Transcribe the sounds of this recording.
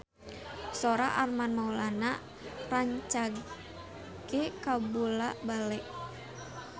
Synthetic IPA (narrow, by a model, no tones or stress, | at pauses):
sɔɾaʔarmanmaulana | raɲt͡ʃaɡ | ɡ̥ekabulabalɛʔ